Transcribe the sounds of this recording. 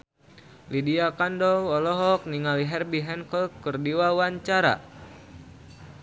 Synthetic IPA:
lidiakandɔwɔlɔɦɔk̚niŋaliɦɛrbiɦɛnkɔlkɨrdiwawaɲt͡ʃaɾa̰

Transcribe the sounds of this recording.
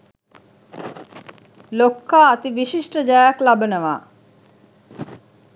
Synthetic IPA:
lokːaːt̪iʋiʃiʂʈəd͡ʒajaklabənəʋaː

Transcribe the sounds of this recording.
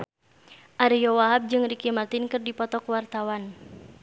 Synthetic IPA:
ʔaɾijɔwaɦap̚d͡ʒɨŋrikimat̪inkɨrdipɔt̪ɔkwart̪awan

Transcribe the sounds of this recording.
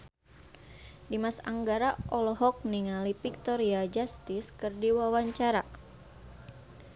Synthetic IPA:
dimasaŋɡaɾaʔɔlɔɦɔk̚niŋalipik̚t̪ɔɾiad͡ʒast̪iskɨrdiwawaɲt͡ʃaɾa

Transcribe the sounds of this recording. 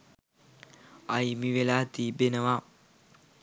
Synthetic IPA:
ajmiʋelaːt̪iːbenəʋa

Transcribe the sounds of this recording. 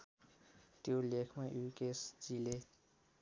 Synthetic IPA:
t̪jolekʰmaʔukesd͡zile

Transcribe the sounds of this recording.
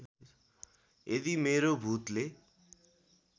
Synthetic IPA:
ed̪imeɾobʱut̪le

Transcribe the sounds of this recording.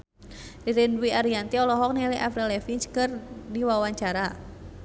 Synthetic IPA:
riɾinwiaɾiant̪iɔlɔɦɔk̚niliʔafɾɛlɛfiɲt͡ʃkɨrdiwawaɲt͡ʃaɾa

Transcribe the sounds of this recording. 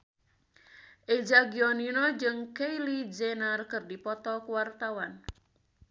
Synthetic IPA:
ʔed͡ʒaɡiɔninɔd͡ʒɨŋkejlid͡ʒɛnarkɨrdipɔt̪ɔkuwart̪awan

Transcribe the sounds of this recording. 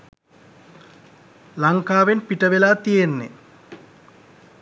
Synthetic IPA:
laŋkaːʋenpiʈɐʋelaːt̪ijenːḛ

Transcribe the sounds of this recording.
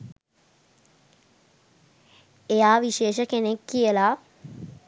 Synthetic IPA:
ejaːʋiʃeːʃəkenekːijəla

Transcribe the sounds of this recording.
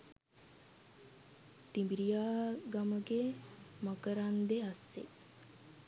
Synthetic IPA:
t̪imbiɾijaːɡaməɡemakəɾand̪easːḛ

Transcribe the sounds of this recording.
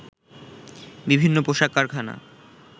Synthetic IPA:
bibʱinːopoʃakːaɾkʰana̰

